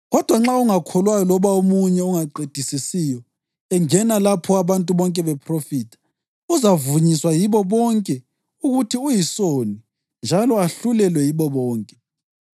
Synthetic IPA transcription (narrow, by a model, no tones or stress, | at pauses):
ɣɔd̥ʱwaŋ͡ǁauŋakʰɔlwajɔlɔβaomuɲɛuŋaǃed̥ʱisisijɔ | ɛŋɛnalapʰɔaβantʼuβɔŋkʼɛβɛpʰrofiːtʰḁ | uzavuɲiswajiβɔβɔŋkʼɛ | uɣutʰiujisoni | nd͡ʒʱalɔaɬulɛlwɛjiβɔβɔːŋkʼɛ